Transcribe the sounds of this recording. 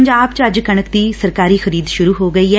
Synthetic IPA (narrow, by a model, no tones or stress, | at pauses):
ɲd͡ʒaːbt͡ʃəd͡ʒkəɳ̃əkd̪iːsəɾkaːɾiːxəɾiːd̪ʃʊɾuːɦoːɡəiːɦɛː